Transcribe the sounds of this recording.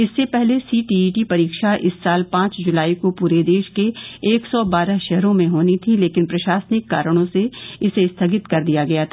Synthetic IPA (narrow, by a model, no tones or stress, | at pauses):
ɪsːepɛɦlesiːʈiːʈipɐɾiːkʃaʔɪsːaːlpãːt͡ʃd͡ʒʊlaːikopuːɾed̪eːʃkeeːksɔːbaːɾəɦʃɛɦɾõmẽɦoːnit̪ʰileːkɪnpɾɐʃaːsnɪkːa̰ːɾəɽ̃õseɪsest̪ʰɐɡɪt̪kɐɾd̪ijaɡɐjat̪ʰaː